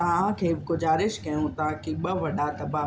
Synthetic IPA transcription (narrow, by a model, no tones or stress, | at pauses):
ɐãkʰeːbɪɡʊzaːɾɪʃkɐjõːt̪aãkiɓɐʋɐɗaːt̪ɐbaː